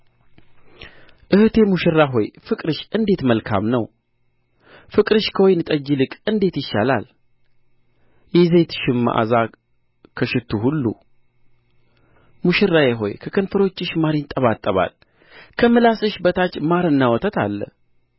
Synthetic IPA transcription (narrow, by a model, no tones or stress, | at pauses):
ʔɨht̪ʰe̞muʃɪrːaɦo̞jfɨkʼɾɨʃɨnd̪e̞t̪məlkʰa̰mnəw | fɨkʼɾɨʃkʰəwojnɨt̪ʼəd͡ʒːilɨkʼɨnd̪e̞t̪jɪʃːa̰la̰l | jɛze̞t̪ɨ̥ʃɪmːa̰ʔa̰za | kʰəʃɪt̪ʰːuɦulːṵ | muʃɪrːajeɦo̞̰jkʰəkʰənfəɾo̞t͡ʃːɨʃmaɾɪɲt̪ʼəβat̪ʼːəβa̰l | kʰəmɨlasɨʃbət̪ʰat͡ʃːmaɾɨnːawɔt̪ʰət̪ʰalːə̰